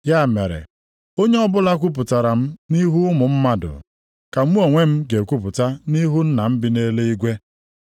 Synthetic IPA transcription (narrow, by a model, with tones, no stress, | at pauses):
ja˦˨me˨ɾḛ˨ | o˦ɲe˦ɔ˦bʊ˦la˦k̬ʷu˦p̬ʊ˨ta˨ɾa˨m̩˦ni˦ɦu˦mʊ˨m̩˦ma˦dʊ̰˨ | ka˨m̩˦u˦o˨ŋʷe˦m̩˦ɡe˨kʷu˦p̬ʊ˨ta˦ni˦ɦu˦n̩˦na˨m̩˦bɪ˨ne˦le˦i˦ɡʷe˦